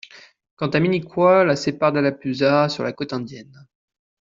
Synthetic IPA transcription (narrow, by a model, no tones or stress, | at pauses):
kɑ̃t̪aminikwalasepaʁd̪alapyzasyʁlakot̪ɛ̃d̪jɛn